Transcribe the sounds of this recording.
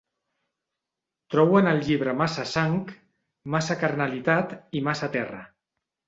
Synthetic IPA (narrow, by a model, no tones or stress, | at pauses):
t̪ɾɔwənəlˠʎiβ̞ɾəmasəsaŋk | masakaɾnalit̪at̪imasat̪ɛrə̰